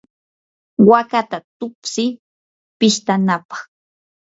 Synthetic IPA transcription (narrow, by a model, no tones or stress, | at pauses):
wakat̪at̪ʊpsɪ | pɪʃt̪anapɑ̥χ